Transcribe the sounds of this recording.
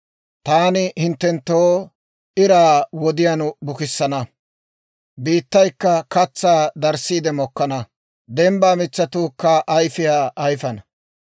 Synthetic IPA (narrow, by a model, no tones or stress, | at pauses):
t̪aːnɪhɪnt̪ːɛnt̪ːoː | ɪɾaːwɔd̪ɪjanbʊkɪsːɐnɐ | biːt̪ːɐjkːɐkɐt͡sːaːd̪ɐɾsiːd̪ɛmɔkːɐnɐ | d̪ɛmbaːmɪt͡sːɐt̪ʊkːɐʔɐjfɪjaːjfɐnɐ